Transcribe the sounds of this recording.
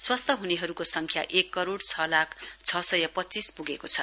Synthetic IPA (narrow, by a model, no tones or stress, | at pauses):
swast̪ʰʌɦuneɦʌɾukosʌŋkʰja̰ʔekːʌɾoɽt͡sʰʌlakʰt͡sʰʌsʌjʌpʌtːt͡sispuɡekot͡sʰʌ